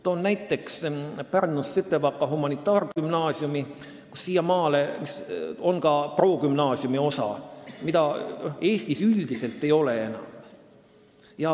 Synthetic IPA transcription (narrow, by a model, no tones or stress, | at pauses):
t̪onnæjt̪ːˑe̞kspærnːusːet̪ːˑevɑkːɑɦumɑnit̪ˑːɑːrkymnɑːsjumi | ku̥sːiːjɑmɑːle̞miso̞nkɑpro̞ːkymnɑːsiumio̞sɑ̰mid̪ɑoe̞ːst̪isyld̪̥ise̞lt̪ːˑe̞jo̞le̞e̞nɑ̰m | jɑ